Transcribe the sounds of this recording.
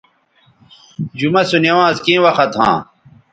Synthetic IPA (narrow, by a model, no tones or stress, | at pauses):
d͡ʑumɐsunewãːzkĩːwɐxɐt̪ʰɦã̰ː